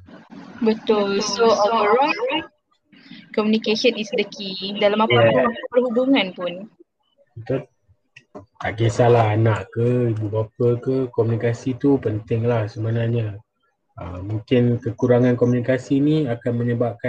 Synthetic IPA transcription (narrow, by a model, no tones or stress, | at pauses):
bət̪ʊlsoɔvəɾa | kɔmunikesənisdəkʰidalamapamakamapapərhubuŋanpʊn | t̪ap̚ | t̪aʔkesalaɦanaʔkəibubapəkəkomunikasit̪upənt̪ɪŋlahsəmanãɲa | əmũŋkɪnkəkuɾaŋankomunikasiniakanmə̃ɲəbap̚ka